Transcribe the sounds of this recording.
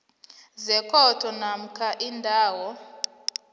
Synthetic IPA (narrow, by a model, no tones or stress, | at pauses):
zɛkʰɔtʰɔnam̩kʰaʔindʱaːwɔ